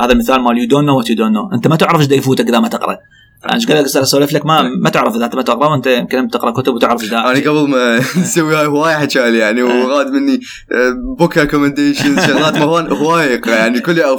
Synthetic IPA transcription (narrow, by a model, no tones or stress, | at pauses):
haːðalmɪθaːlmaːljud̪oːnːawat̪jud̪oːnːoʔənt̪amat̪ɪʕɾˤɑfd͡ʒd̪ajfuːt̪akʔɪðamat̪ɪqɾˤɑ̰ | ʔa̰nʃɡalːakɪsalasolɪflakmamat̪ɪʕɾˤɑfðaːt̪mat̪ɪqɾˤɑwʔənt̪ajɪmkɪnɪmt̪ɪqɾˤɑʔkʊt̪ʊbwt̪ɪʕɾˤɑfd͡ʒd̪aːʔaːniɡablmasawːihaːjhwaːjaħat͡ʃaːlijaʕniwɣaːd̪mɪnːi | bʊkɾekomənd̪eːʃɪnɑɣɣɑːt̪mawaːnhwaːjqjaʕnikʊlːa